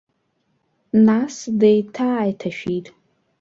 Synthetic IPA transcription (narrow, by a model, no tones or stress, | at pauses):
nasdejtʰaːjtʰaʃᶣitʼ